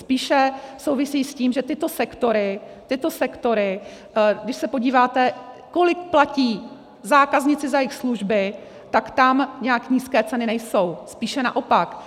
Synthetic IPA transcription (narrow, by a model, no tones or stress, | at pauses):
spiːʃɛsowvɪsiːsciːmʒɛt̪ɪt̪o̞sɛkt̪o̞ɾɪ | t̪ɪt̪o̞sɛkt̪o̞ɾɪ | ɡdɪʃsɛpo̞ɟiːvaːt̪ɛ | ko̞lɪkplaciː | zaːkazɲɪt͡sɪzajɪxsluʒbɪ | t̪akt̪amɲɛjakɲiːskɛːt͡sɛnɪnɛjso̞wspiːʃɛna̰ʔo̞pak